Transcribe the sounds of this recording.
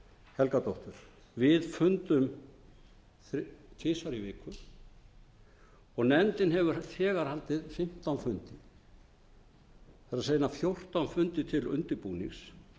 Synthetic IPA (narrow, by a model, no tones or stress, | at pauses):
hɛlkat̪ɔwht̪ʏɾ̥ | vɪðfʏnt̪ʏm | θt̪ʰɪːsaɾivɪːkʰʏɾ | ɔɣnɛnt̪ɪnɦɛvʏɾθʰɛːɣaɾ̥halt̪ɪðfɪm̥t̪awnfʏnt̪ɪ | θaɾaseːjnafjowr̥t̪awnfʏnt̪ɪt̪ʰɪlʏ̰nt̪ɪpuːnḭŋs